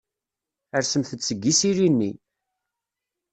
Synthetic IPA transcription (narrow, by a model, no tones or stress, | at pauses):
əɾsəmθət͡sːəɡːisiɾinːḭ